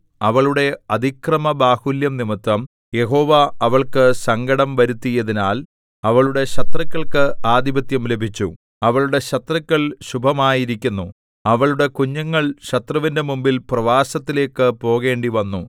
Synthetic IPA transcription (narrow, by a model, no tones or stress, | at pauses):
ɐʋɐɭuɽe̞ɐd̪ʱikrɐmɐbaːhuljɐmnimit̪ːwɐm | je̞ɦo̞ːʋaɐʋɐɭkɨsɐŋɡɐɽɐmʋɐɾut̪ːijɐðinaːl | ɐʋɐɭuɽe̞ɕɐt̪rɐkʲːɐɭkɨaːd̪ibɐt̪jɐmle̞bʱit͡ɕːṵ | ɐʋɐɭuɽe̞ɕɐt̪rɐkːɐɭɕubʱɐmaːjiɾikʲːunːu | ɐʋɐɭuɽe̞kuɲːɐŋːɐɭɕɐt̪rɐʋinde̞mumbilprɐʋaːsɐt̪ːile̞ːkːɨpo̞ːɣe̞ːɳɖiʋɐnːu